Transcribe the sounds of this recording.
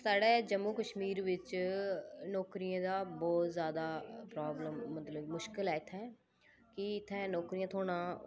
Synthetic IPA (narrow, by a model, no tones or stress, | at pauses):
saːɖeːd͡ʒəmːuːkəʃmiːɾʋɪt͡ʃ | nɔːkɾiãːd̪aːbɔːt̪zjaːd̪aːpɾaːbləmːət̪ləbmʊʃkɪlɛːɪt̪ʰɛ̃ː | kɪɪt̪ʰːɛ̃ːnɔːkɾiːjãːt̪ʰoːɽ̃ãː